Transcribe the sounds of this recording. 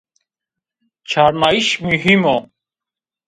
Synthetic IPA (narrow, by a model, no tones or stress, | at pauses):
t͡ɕʰaɾnaːiɕmiɦimo